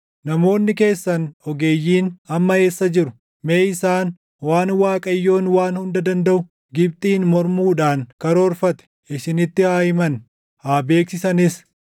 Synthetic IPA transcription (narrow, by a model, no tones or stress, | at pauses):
nɐmo̞ːnːɪke̞ːsːɐnɔɡe̞ːjːiːnɐmːɐe̞ːsːɐd͡ʒɪɾʊ | me̞ːɪsaːn | waːnwaːkʼɐjːo̞ːnwaːnhʊnd̪ɐd̪ɐnd̪ɐʔʊ | ɡɪb̚t̪ʼiːnmɔɾmuːᶑaːŋkɐɾoːɾfɐt̪ɛ̥ | ʔɪʃɪnɪt̪ːɪhaːjɪmɐn | haːbe̞ːksɪsɐnɪs